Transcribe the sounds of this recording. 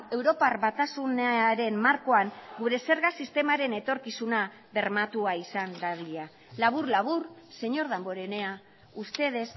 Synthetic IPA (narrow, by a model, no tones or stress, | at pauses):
e̞wɾo̞parβat̪asunaɾe̞mmaɾko̞aŋɡuɾe̞se̞ɾɣasist̪e̞maɾe̞ne̞t̪o̞ɾkisuna | βe̞ɾmat̪uaisand̪aβiʎa | laβ̞urlaβ̞urse̞ɲo̞ɾðambo̞ɾe̞ne̞a | ust̪e̞ð̞e̞s